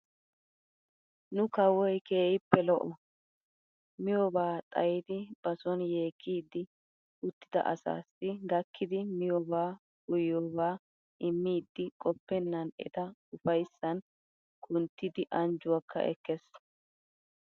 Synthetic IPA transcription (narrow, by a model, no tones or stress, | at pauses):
nʊkɐwɔjkeːjɪpːɛlɔʔɔ | mɪjɔbaːt̪ʼɐjɪd̪ɪb̥ɐsɔnje̞ːkʰːiːd̪ːɪ | ʊt̪ːɪd̪ɐ̰ʔɐ̰sa̰ːsːɪɡɐkʰːɪd̪ɪmɪjɔbaː | ʊjːoːbaː | ʔɪmːiːd̪ːɪkʼɔpːɛnːɐnɛ̰t̪ɐʊfɐjsːɐn | kʊnt̪ːɪd̪ɪʔɐnd͡ʒʊwɐkʰːɐ̰ʔɛ̰kːɛs